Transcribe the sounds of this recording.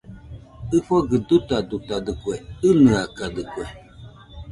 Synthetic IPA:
ɨfɔɡɨdutadutadɨkwɛɨnɨakadɨkwɛ

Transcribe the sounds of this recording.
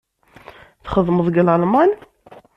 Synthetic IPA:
θχəðˤmðˤɡəlalmɑn

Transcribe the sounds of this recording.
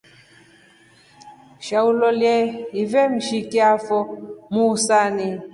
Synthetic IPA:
ʃaulɔljɛivɛm̩ʃikiafɔmusani

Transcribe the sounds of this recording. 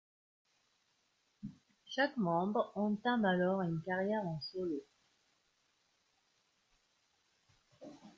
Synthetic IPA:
ʃakmɑ̃bʁɑ̃t̪ãmalɔʁynkaʁjɛʁɑ̃sɔlo

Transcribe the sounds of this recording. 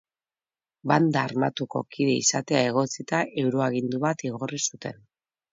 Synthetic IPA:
band̪aːɾmat̪uko̞̰kiðe̞isat̪e̞ae̞ɣ̞o̞t͡sit̪aʔe̞wɾo̞aɣind̪uβat̪iɣo̞risut̪e̞n

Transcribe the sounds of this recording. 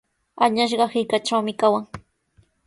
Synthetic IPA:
aɲaʃ̬ɢɑhɪkaʈ͡ʂawmɪkawaŋ

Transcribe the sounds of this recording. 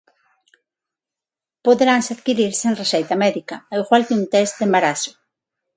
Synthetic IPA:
poðeɾaŋseaðkiɾiɾseŋresejt̪ɐmɛðikɐaiɣwalk̪eunt̪ɛst̪d̪embaɾasʊ̥

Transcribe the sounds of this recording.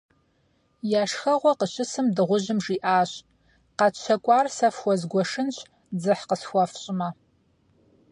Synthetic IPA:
jaːʂxɐʁʷɔqəɕɪsɨmdɨʁʷʊʑɪmʐiːʔaːɕʼ | qɑt͡ʃʰɐkʷʼɑːrsɐfxʷɔzɡʷɔʂɨnɕ | d͡zɨħqəsxʷɐfɕʼɪmɐ

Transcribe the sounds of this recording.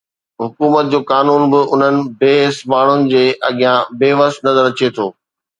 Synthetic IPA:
ɦʊkuːmət̪̚d͡ʑoːkaːnuːnbɪʊn̤ənɪ̆beːɦsmaːɳ̤ʊnɪ̆d͡ʑeːʔɐɠijãbeːʋəst̪nɐzəɾɐt͡ɕet̪ʰoː

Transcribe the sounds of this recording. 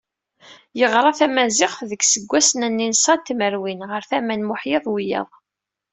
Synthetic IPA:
jəʁɾˤɑθæmæzɪχðəɡsəɡʷːæsənænːinsˤɑt̪məɾwinʁəɾθæmænmʊħjeðˤwij̰ðˤ

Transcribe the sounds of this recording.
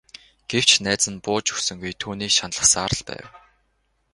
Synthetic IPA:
ɡ̥ew̥t͡ɕnæːt͡sə̆npʊːt͡ɕɵxsɵ̆ŋɡujt̪ʰuːniːkʃanɮə̆χsaːɾə̆ɮpæ̰ːw

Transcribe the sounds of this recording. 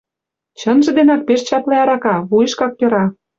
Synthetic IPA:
t͡ɕɤ̆nʒɤ̆d̪enɑk̚peʃt͡ɕɑp̪leɑɾɑkɑβujə̆ʃkɑk̚jɤ̆ɾɑ

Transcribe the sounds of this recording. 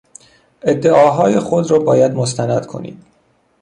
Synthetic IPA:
e̞d̪ːeʔɒːɦɒːjexo̞d̪ɾɒːbɒːjæd̪most̪ʰænæd̪̥kʰo̞̰nḭːd̪̥

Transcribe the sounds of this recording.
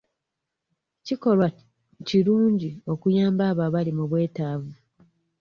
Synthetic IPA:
ciko̞lwa | ciɾuːɲɟio̞kujaːmbaːβaβalimuβwe̞ːtaːvu

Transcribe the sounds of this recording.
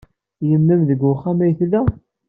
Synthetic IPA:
jəmːæmðəɡʊχːamæjθlæ

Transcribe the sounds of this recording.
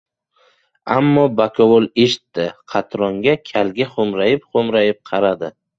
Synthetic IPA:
amːɒbakʰɒwolˠeʃɪ̥t̪ːɪqʰɑt̪ʰɾɒŋɡʲakʲʰalɡʲaχomɾajɪpχomɾajɪp̚qʰɑɾad̪ɪ

